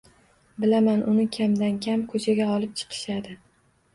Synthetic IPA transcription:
bɪlamanʔʊnɪkʲʰamd̪ankʲʰamkʰɵt͡ʃʰaɡʲaɒlˠɪp̚t͡ʃʰɨ̥qʰɨ̥ʃad̪ɪ

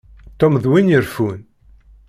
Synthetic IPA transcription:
t̪ːɔmðwinjəɾfun

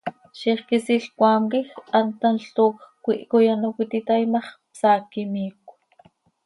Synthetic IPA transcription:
ʃiχkisiɬkʷaːŋkixant̪anɬt̪uxkʷiʔkojanukʷit̪it̪ajmɑχpsaːkimiːkʷ

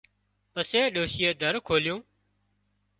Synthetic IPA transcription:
pəseːɗoːʃɪjeːd̪ʱəɾkʰoːljõː

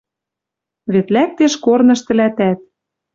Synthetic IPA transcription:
βet̪læk̚t̪eʃkornɤ̆ʃt̪ɘ̆læt̪æt̪̚

